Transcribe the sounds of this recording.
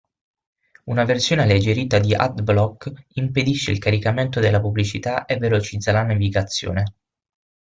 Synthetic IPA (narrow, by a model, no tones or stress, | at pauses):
unaversjoːnealed͡ʒeɾiːt̪ad̪iʔa̰t̪blɔkːimped̪iʃːḛḭlkaɾikament̪od̪elːapubːlit͡ʃit̪aʔevːelot͡ʃid̪zːalanaviɡat̪sːjo̰ːne